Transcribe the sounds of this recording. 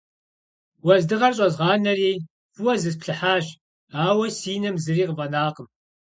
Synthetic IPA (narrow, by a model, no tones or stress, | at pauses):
wɐzdɨʁɐrɕʼɐzʁɑːnɐrej | fuwɐzɨspɬɨħaːʒ | aːwɐsiːnɐmzɨriːqəvɐnaːqəm